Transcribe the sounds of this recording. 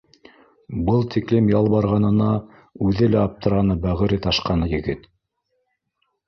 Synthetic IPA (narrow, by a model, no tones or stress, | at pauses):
bɤlˠt̪iklɘmjɑlˠbɑɾʁɑnɤ̆nɑ | ʉðɘlæɑp̚t̪ɤ̆ɾɑnɤbæʁɘ̆ɾɘt̪ɑʃqɑnɤjɘ̆ɡɘt̪